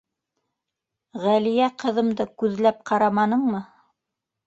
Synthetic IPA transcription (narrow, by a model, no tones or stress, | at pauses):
ʁælijæqɤ̆ðɤ̆md̪ɤkʉðlæp̚qʰɑɾɑmɑnɤɴmɤ